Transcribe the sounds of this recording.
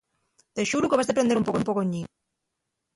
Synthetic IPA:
t̪eʃuɾukeβazðepɾend̪eɾumpokoumpokoɲi

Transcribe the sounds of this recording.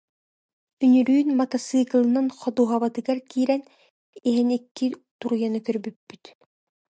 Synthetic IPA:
ynyɾyːnmat̪asɯːkɯlˠɯnɯnχɔd̪uːɦaβat̪ɯɡaɾkiːɾɛn | iɦinikːit̪uɾujanɯkœɾbypːyt̪

